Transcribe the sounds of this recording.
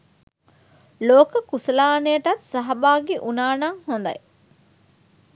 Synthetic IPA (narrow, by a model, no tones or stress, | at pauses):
loːkəkusɐlaːnejəʈɐt̪sɐɦɐbaːɡeʔunaːnaŋhond̪ɐ̰j